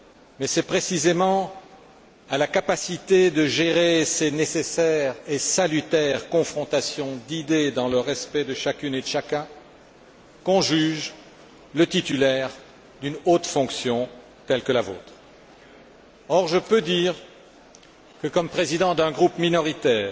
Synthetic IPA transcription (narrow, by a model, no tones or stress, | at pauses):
mɛsɛpχesizemɑ̃ | alakapasit̪ed̪əʒeʁesenesesɛʁesalyt̪ɛʁkɔ̃fχɔ̃t̪asjɔ̃d̪id̪ed̪ɑ̃ləʁɛspɛd̪əʃakʲyned̪əʃakʲɛ̃ | kɔ̃ʒyʒ | lət̪it̪ylɛʁ | d̪ynot̪fɔ̃ksjɔ̃ | t̪ɛlkəlavo̰ːt̪χ | ɔʁʒəpød̪iːʁ | kəkɔmpχezid̪ɑ̃d̪ɛ̃ɡʁupminɔʁit̪ɛːʁ